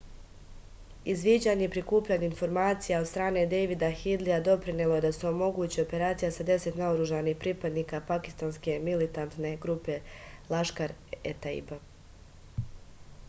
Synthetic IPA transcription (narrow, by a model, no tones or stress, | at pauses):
izʋiːd͡ʑaɲeipɾikuːpʎaːɲainfo̞ɾmaːt̪sijao̞d̪st̪ɾaːne̞d̪ejʋid̪axid̪liad̪o̞pɾinelˠo̞je̞d̪aseomo̞ɡuːt͡ɕio̞pe̞ɾaːt̪sijasad̪e̞se̞t̪naoɾuʒaniːhpɾipad̪niːkapaki̥st̪aːnske̞milit̪ant̪ne̞ɡɾupe̞lˠaʃkaɾet̪aḭba